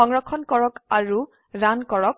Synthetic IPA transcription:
ɔŋɹɔkʰːɔnkɔɹɔkaɹu | ɹankɔɹɔk̚

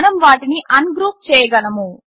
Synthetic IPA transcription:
nɐmʋaːʈiniʔɐnɡɾuːp̚t͡ʃɛːjɐɡɐlɐmu

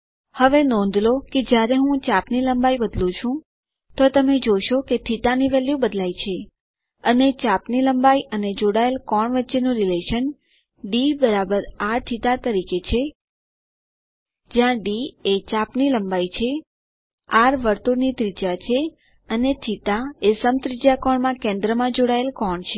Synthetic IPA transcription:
həʋenɔ̃nd̪ʱloked͡ʒjaɾeɦũt͡ʃapniləmbajbəd̪lũt͡ʃʰũ | t̪ot̪əmed͡ʒoʃoket̪ʰit̪aniʋeljũbəd̪lait͡ʃʰe | ənet͡ʃapniləmbaiʔəned͡ʒoɽaelkɔɳʋətːʃenũɾileʃən | ɖibəɾabəɾaɾt̪ʰit̪at̪əɾiket͡ʃʰe | d͡ʒjãɖiet͡ʃapniləmbajt͡ʃʰe | aɾʋəɾt̪uɾnid̪ɾid͡ʒat͡ʃʰe | ənet̪ʰit̪aesəmt̪ɾid͡ʒakɔɳmãkẽnd̪ɾəmãd͡ʒoɽaelkɔɳt͡ʃʰe

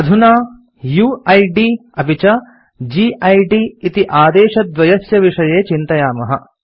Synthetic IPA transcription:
ɐd̪ʱunaː | juːɐjɖiɐbʱit͡ʃɐ | d͡ʒiːʔɐjɖiit̪iʔaːd̪eːʃɐd̪ʋɐjɐsjɐʋiʂɐjeːt͡ʃint̪ɐjaːmɐɦɐ̰

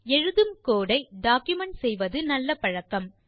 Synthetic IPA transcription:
ɛɻɯðɯmkoːɽɐɪɖaːkjʊmɐɳʈsɛjʋɐðɯnɐlːɐpɐɻɐkːɐm

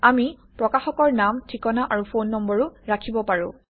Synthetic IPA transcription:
amipɹɔkaxɔkɔɹnamtʰikɔnaʔaɹupʰonːɔmbɔɹuɹakʰibɔpaɹʊ̃

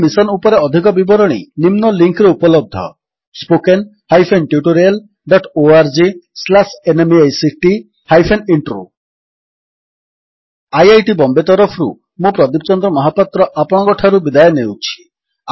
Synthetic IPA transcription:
misɔnupɔɾeɔd̪ʱikɔbibɔɾɔɽ̃ḭnimnɔliŋkɾeupɔlɔb̚d̪ʱɔ̰ | spoken | hajpʰenʈjuʈoɾial | ɖɔʈoaɾd͡ʒislasenemiajsiʈi | hajpʰeniɳʈɾo̰ | ajajʈibɔmbet̪ɔɾɔpʰɾṵ | mũpɾɔd̪ip̚t͡ʃɔnd̪ɾɔmɔɦapat̪ɾɔʔapɔɽ̃ɔkɔʈʰaɾubid̪ajɔnewt͡ʃʰi̥

